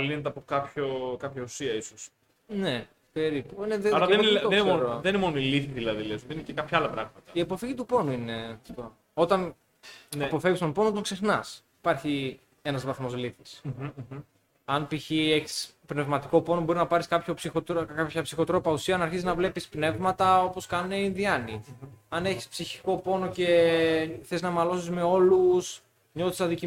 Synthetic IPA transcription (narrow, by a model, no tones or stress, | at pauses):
ɐlinet̪eɐpokɐpçokɐpçɐusiɐisos | ne | pe̞ɾipuneðeɐlɐðeoenneeonɾoðeninemo̞noiliθiðilɐðilezðeninecekɐpçɐɐlɐpɾɐɣmɐt̪ɐiɐpo̞fiʝit̪upo̞nuine̞t̪t̪o | o̞t̪ɐn | nɐpo̞fe̞vist̪opo̞not̪oŋkse̞xnɐsipɐɾçi | e̞nɐzvɐθmo̞zliθis | ɐnpiçieçi̥spne̞vmɐt̪iko̞po̞nobo̞ɾiznɐpɐɾiskɐpço̞psixot̪apçɐpsixo̞t̪ɾo̞pɐusiɐɐnɐɾçiziznɐvle̞pispne̞vmɐt̪ɐo̞poskɐneinðiɐniɐne̞çispsiçiko̞po̞no̞ce̞ | θeiznɐmɐlo̞sizme̞o̞lus | ɲo̞θist̪ɐðici